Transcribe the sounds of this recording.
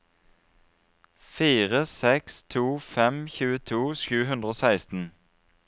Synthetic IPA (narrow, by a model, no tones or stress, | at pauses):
fiːʁəsɛkst̪ʰuːfɛmçʉːət̪ʰuːʃʉːhʉnd̪ʁəoːsæɪst̪n̩